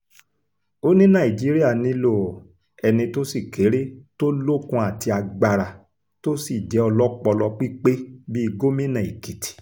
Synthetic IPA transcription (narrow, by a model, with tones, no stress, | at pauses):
o˦nĩ˦nã˦˨i˨d͡ʒi˨˦ɾi˦a˦˨nĩ˨˦lo˦˨ | ɛ˧nĩ˧to˦si˦˨kʰe˨˦ɾe˦to˦lo˦kũ˧˦a˨ti˧a˧ɡ͡ba˧ɾa˨ | to˦si˦˨d͡ʒɛ˨˦ɔ˧lɔ˦k͡pɔ˧lɔ˧k͡pi˦k͡pe˦bi˦i˧ɡo˦mĩ˦nã˨i˨ki˨ti̥˨